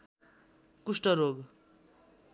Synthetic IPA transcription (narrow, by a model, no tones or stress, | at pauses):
kusʈʌɾoɡ